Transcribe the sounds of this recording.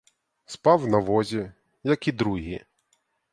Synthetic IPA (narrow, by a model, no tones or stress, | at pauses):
spɑwnɐʋɔzʲi | jɐkid̪ɾuɦʲi